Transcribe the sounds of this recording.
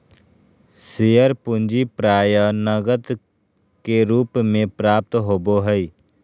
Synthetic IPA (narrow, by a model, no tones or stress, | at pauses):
sijəɾpʊ̃nd͡ʒipɾaːjənəɡət̪ | keɾuːpmẽpɾaːp̚t̪ɦoːboɦəi